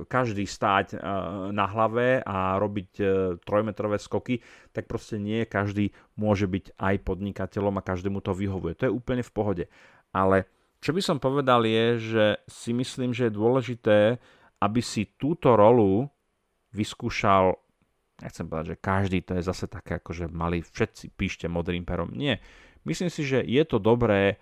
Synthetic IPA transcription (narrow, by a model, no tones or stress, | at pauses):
kaʒd̪iːst̪aːcnaɦlaʋɛaɾɔbict̪ɾɔjmɛt̪ɾɔʋɛːskɔkit̪ak̚pɾɔscɛɲɪɛkaʒd̪iː | mʊɔʒɛbicʔajpɔd̪ɲikacɛʎɔmakaʒd̪ɛːmut̪ɔʋiɦɔʋujɛt̪ɔjɛuːpl̩ɲɛfpɔɦɔɟɛ | ʔalɛ | t͡ʃɔbisɔmpɔʋɛd̪aljɛʒɛsimisliːmʒɛjɛd̪ʊɔlɛʒit̪ɛː | ʔabisit̪uːt̪ɔɾɔlu | ʋiskuːʃal | ɲɛ̰xt͡sɛmpɔʋɛd̪aɟʒɛkaʒd̪iːt̪ɔjɛzasɛt̪akɛːakɔʒɛmalifʃɛt̪̚t͡sipiːʃcɛmɔd̪ɾiːmpɛɾɔ̰mɲɪɛ | misliːmsiʒɛjɛt̪ɔd̪ɔbɾɛː